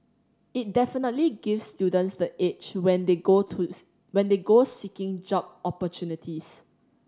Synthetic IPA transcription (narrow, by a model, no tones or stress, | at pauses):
it̚dɛfinətliɡifsːtjudə̃ntsdəʔet͡ʃwɛ̃ndeou | wɛ̃ndeɡosikɪ̃ŋd͡ʒɔp̚ɔpətʰjunitʰis